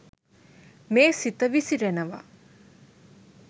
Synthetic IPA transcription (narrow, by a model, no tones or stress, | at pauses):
meːsit̪əʋisiɾenəʋa̰